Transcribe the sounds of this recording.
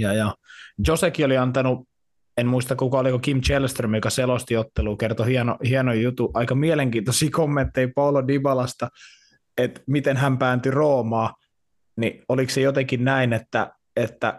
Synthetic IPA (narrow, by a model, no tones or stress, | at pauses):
jɑjɑjosekioliɑnt̪ɑnu | enmuist̪ɑkkukɑolikokimt͡ʃelst̪rømjokɑselost̪iot̪ːeluːkert̪ohiɛnohiɛnojjut̪uʔɑikɑmieleŋkiːnt̪osiːkomːent̪ːeipoulodibɑlɑst̪ɑ | et̪mit̪enhæmpæːnt̪yroːmɑː | nioliksejot̪ekinnæinet̪ːæ | et̪ːæ̰